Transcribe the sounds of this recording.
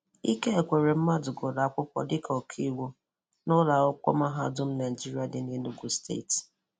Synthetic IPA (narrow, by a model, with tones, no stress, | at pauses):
i˦ke˦e˨kʷe˨ɾe˨m̩˦ma˦dʊ˨ɡo˨da˨a˨kʷʊ˦pɔ̰˦dɪ˦kʰɔ˨kʰi˦wu˦ | nʊ˦la˨ʊ˦kʷɔ̰˦ma˦ɦa˦dʊ˦m̩˦na˨d͡ʒi˦ɾi˦a˨dɪ˨˦ne˦nu˦ɡu˨stḛ˦˨t